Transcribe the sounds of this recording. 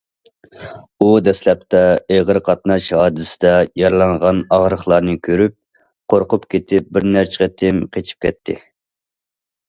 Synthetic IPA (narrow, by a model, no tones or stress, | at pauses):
ud̪ɛslɛp̚t̪ʰɛeʁəɾqʰɑt̪nɑʃhɑːd̪ɪsɪd̪ɛjɑɾlˠɑɴʁɑnɑʁɾəχlˠɑɾnɨkʲʰøɾyp̚ | qʰoɾqʊpkʲʰet̪ʰɪp̚bɪɾnæɾt͡ʃʰɪ̥ʁʲɛt̪ʰɪmqʰet͡ʃʰi̥p̚kʲʰɛt̪ʰːɪ̰